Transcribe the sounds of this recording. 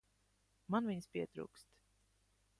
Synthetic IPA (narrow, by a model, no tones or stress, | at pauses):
manviɲspʲiɛt̪ɾṵːkst̪